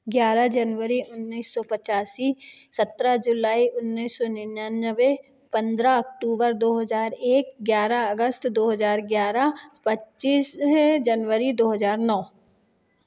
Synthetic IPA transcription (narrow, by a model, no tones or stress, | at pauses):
ɡjaːɾad͡ʒɐnʋəɾiʔʊnːiːsːɔpət͡ʃaːsisɐt̪ɾad͡ʒʊlaːiʊnːiːsːɔnɪnaːnd͡ʒəbe | pɐ̃nd̪ɾaɐk̚ʈuːbəɾd̪oːɦəzaːɾeːk̚ɡjaːɾaɐɡəst̪d̪oːɦəzaːɾɡjaːɾapɐtːt͡ʃiːsd͡ʒɐnʋəɾid̪oːɦəzaːɾnɔː